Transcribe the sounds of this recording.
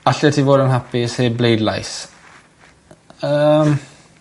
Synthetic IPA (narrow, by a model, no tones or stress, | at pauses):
aɬɔtʰiːvoːdənɦapɪsheblejdla̰js | əːm